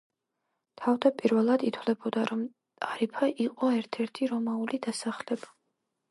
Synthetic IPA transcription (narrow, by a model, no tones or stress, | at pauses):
t̪ʰavd̪apʼiɾvɛlˠad̪it̪ʰwlɛbɔd̪aɾɔm | t̪ʼaɾipʰaʔiqʼɔɛɾt̪ʰɛɾt̪ʰiɾɔmaulid̪asaχlɛba